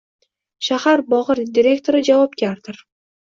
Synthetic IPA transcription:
ʃahaɾbɒʁɨɾd̪iɾʲe̞kt̪ʰoɾɪd͡ʒavɒp̚ɡʲaɾd̪̥ɪɾ

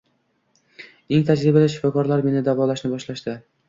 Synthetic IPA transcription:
eŋt̪ʰad͡ʒɾɪbalɪʃɪ̥fɒkɒɾlaɾme̞nɪd̪avɒlaʃnɪbɒʃlaʃd̪ɪ

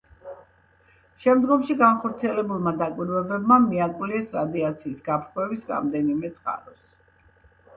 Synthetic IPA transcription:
ʃɛmd̪ɡɔmʃiɡanχɔɾt̪sʰiɛlɛbulˠmad̪akʼwiɾvɛbɛbmamiakʼwliɛsɾad̪iat̪sʰiːsɡapʰχwɛvisɾa̰md̪ɛnimɛt̪sʼqʼa̰ɾɔs

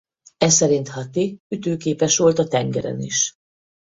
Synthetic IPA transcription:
ɛsɛɾint̪hɒt̪iyt̪øːkeːpɛʃʋo̞lt̪ɒt̪ɛŋɡɛɾɛ̰nḭʃ

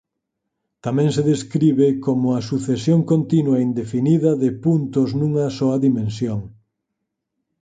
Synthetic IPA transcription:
t̪amɛ̃ŋseðeskɾiβekomʊɐsuθesjoŋkont̪inwɐind̪efiniðɐðɪpunt̪ʊznũŋɐsɔɐðimẽnsjoŋ

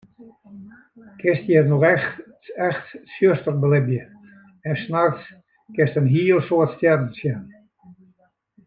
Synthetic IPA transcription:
kʰɪstjɛtnɔxɛx | ɛxtsjøstərbəlɪbjə | ɛnsnars | kɪstənɦiːəlˠsoətstjɛrn̩sjɛn

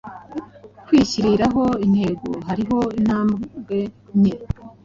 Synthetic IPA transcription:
kwiːciɾiɾaɦo̞in̥he̞ɡo̰ɦaɾiɦo̞in̥haːmɡe̞ɲe

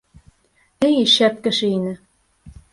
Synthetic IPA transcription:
ejʃæt̪̚kɘ̆ʃenɘ̆

